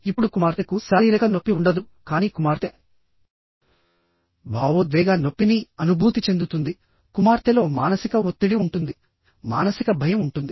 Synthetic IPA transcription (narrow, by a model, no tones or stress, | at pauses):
ipːuɽukumaːɾt̪ɐkusɐɾiːɾɐɡɐno̞pːiuɳɖɐd̪u | kaːniːkumaːɾt̪e | bʱaːʋud̪ʋɛːɡaːno̞pːiniɐnubʱuːt̪it͡ʃe̞nd̪ut̪und̪i | kumaːɾt̪elo̞ːmaːnɐsikɐot̪ːiɽiuɳʈund̪i | ma̰ːnɐsikɐbʱɐjɐmuɳʈund̪i